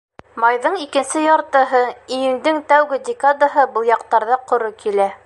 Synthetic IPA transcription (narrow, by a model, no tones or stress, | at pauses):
mɑjðɤɴikɘ̆nsɘjɑɾt̪ɤ̆ɦɤijɘ̆nd̪ɘŋt̪æwɡɘdʲɪkad̪aɦɤbɤlˠjɑq̚t̪ɑɾðɑqŏɾokilæ